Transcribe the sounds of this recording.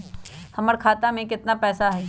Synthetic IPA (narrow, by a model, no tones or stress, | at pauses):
hɐməɾkʰaːt̪amẽkɪt̪napɛːsaɦɛ